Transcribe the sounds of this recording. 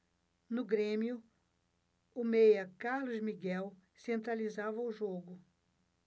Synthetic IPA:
nʊɡɾẽmiʊ | ʊmejɐkaɾlʊzmiɡɛwsẽnt̪ɾalizavɐʊʒoɡʊ

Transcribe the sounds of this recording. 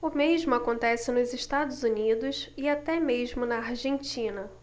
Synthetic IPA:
ʊmeʒmʊakõnt̪ɛsɪnʊzɪʃt̪ad̪ʊzunid̪ʊsɪat̪ɛmeʒmʊnɐaɾʒẽnt͡ʃĩnɐ

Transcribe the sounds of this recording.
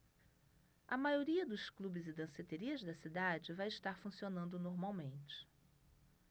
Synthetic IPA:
ɐmajoɾiɐd̪ʊsklubɪzɪd̪ɐ̃set̪eɾiɐzd̪ɐsid̪ad͡ʒɪvajɪʃt̪aɾfũsionɐ̃nd̪ʊnoɾmawmẽnt͡ʃɪ̥

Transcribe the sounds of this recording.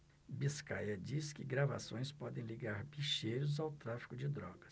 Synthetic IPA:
biskajɐd͡ʒiskɪɡɾava̰sõj̃spɔd̪ẽj̃liɡaɾbiʃejɾʊzawt̪ɾafi̥kʊd͡ʒɪd̪ɾɔɡɐs

